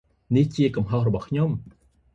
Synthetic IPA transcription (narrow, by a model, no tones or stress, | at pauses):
niht͡ɕiəkɑmɦohrɔɓɑhkʰɲom